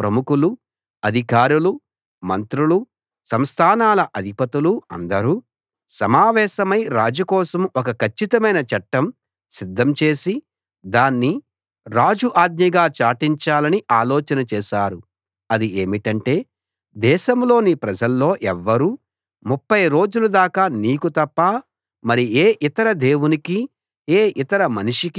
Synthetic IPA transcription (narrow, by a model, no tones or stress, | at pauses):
pɾɐmukulu | ɐd̪ʱikaːɾulu | mɐnt̪ɾulu | sɐmst̪ʰaːnaːlɐʔɐd̪ʱipɐt̪uluɐ̰nd̪ɐɾuː | sɐmaːʋɛːʃɐmɐjɾaːd͡ʒukɔːsɐmɔkɐkʰɐt͡ʃːit̪ɐmɐjnɐt͡ʃɐʈːɐm | sid̪ʱːɐmt͡ʃe̞ːsi | d̪aːnːi | ɾaːd͡ʒuʔaːd̪̚ɲɐɡaːt͡ʃaːʈiɲt͡ʃaːlɐniʔaːlɔːt͡ʃɐnɐt͡ʃɛːʃaːɾu | ɐd̪ie̞ːmiʈɐɳʈe̞ː | d̪ɛːʃɐmlo̞ːnipɾɐd͡ʒɐlːo̞ːʔɛʋːɐɾu | mupːɐjɾo̞ːd͡ʒulud̪aːkaːniːkut̪ɐpːaː | mɐɾieːʔit̪ɐɾɐd̪e̞ːwuniki | eːʔit̪ɐɾɐmɐnuʂik